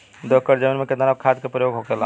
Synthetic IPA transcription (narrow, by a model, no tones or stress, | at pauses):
d̪əkəɾd͡ʒəminmeked̪ənakʰad̪kepɾəjoɡɦokela̰